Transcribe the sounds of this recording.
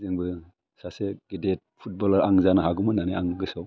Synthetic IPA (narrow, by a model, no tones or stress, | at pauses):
zɯŋbɯ | saseɡ̥idet̚pʰut̚bɔlɐɾaŋzanaɦaɡumɯnaniaŋɡɯsɔ